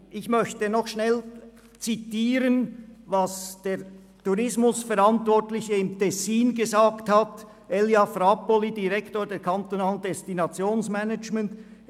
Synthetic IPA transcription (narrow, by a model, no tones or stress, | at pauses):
ʔɪçmœçtənɔχʃnɛl | t͡sitiːɾənvɑsd̥eː | tuɾɪsmʊsfɛɾantvɔɹtlɪçəɪmtʰɛsiːnɡəzaːkthat | ɛljafɾapolidiʁɛktoːdeːkʰant̪onaːləndɛstinɑt͡sjoːnsmɛnət͡ʃmɛnt